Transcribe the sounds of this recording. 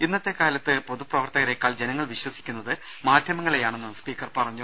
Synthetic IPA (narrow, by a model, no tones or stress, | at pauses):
inːɐt̪ːe̞kaːlɐt̪ːɨpo̞ðuprɐʋɐrt̪ɐɣɐɾe̞kːaːɭd͡ʑenɐŋːɐɭʋiɕwɐsi̥kʲːunːɐðɨ | maːd̪ʱjɐmɐŋːɐɭejaːɳenːɨspiːkːɐrpɐrɐɲːu